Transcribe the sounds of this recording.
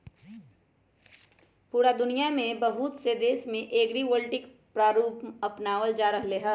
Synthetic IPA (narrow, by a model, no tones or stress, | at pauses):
puːɾad̪ʊnijamẽbɐɦut̪sed̪eːsmẽʔeːɡɾiːʋəlʈɪk | pɾaːɾuːpɐpnaːʋəld͡ʒaːɾɐɦleːɦɐ